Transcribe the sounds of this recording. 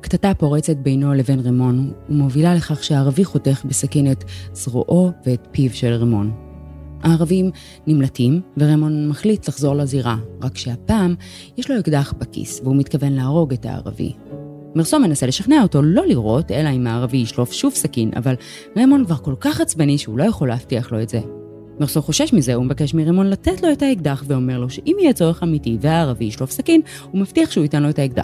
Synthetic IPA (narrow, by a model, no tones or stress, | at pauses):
ktatapo̞ʁet͡se̞t̚bejno̞le̞venʁemo̞nhumovilale̞χaχʃeaːʁaviχo̞te̞χbesakinetz̥ʁo̰ʔo̞veːtpivʃelʁemo̞n | aːʁavim | nimlatimveʁemo̞nmaχlitlaχzo̞ʁlaziʁaʁakʃeapaːm | jɛʃlo̞ekdaχbakḭsveumitkave̞nlaːʁo̞ɡeta̰ːʁa̰vḭ | miʁso̞me̞nase̞le̞ʃaχneaoto̞lo̞liʁo̞te̞laimaːʁavijiʃlofʃuvsakinʔa̰val | ʁemo̞nkvaʁko̞lkaχat͡sbaniʃeulojaχo̞leːftiaχlo̞e̞tz̥e | miʁso̞χo̞ʃeʃmize̞umevake̞ʃmiʁemo̞nlatetlo̞etaiɡ̚daχveo̞me̞ʁlo̞ʃeʔimijet͡soʁeχamitiveaːʁaviiʃlofsakin | umaftiaχʃeuitenlo̞etaiɡ̚d̪a̰